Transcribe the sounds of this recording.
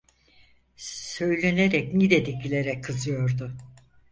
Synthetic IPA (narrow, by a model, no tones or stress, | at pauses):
sø̞jlʲeneɾɛcnid̪ɛd̪ecʰilʲeɾɛkʰːɯzɯjo̞ɾd̪ʊ